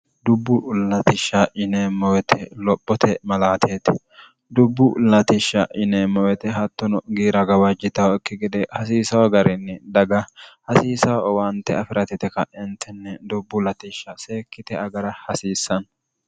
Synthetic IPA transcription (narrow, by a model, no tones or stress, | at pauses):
d̪ʊbːʊlɐt̪ɪʃːɐʔɪnemːɔwɛt̪ʰɛlɔpʼːɔt̪ʰɛmɐlaːt̪ʰeːt̪ɛ̥ | d̪ʊbːʊlɐt̪ɪʃːɐʔɪnemɔwɛt̪ɛɦɐt̪ːɔnɔɡiːɾɐɡɐwɐd͡ʒɪt̪ɐwɪkːɪɡɛd̪ɛhɐsiːsɐwɐɡɐɾɛnːɛd̪ɐɡɐhɐsiːsɐwwɐnt̪ːɛɐfɪɾʔɐt̪ɪt̪ɛkɐʔɛnt̪ʰɛnːɛd̪ʊbːʊlɐt̪iʃːɐse̞ːkːɪt̪ɛɐɡɐɾɐhɐsiːsːɐn